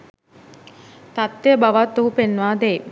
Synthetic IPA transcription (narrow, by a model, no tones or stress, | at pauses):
t̪at̪ːejəbaʋat̪ːuɦupenːʋaːd̪eː